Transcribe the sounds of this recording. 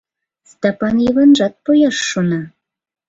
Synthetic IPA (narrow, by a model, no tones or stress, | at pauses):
st̪ɑpɑnjəβɑnʒɑt̪̚pojɑʃːonɑ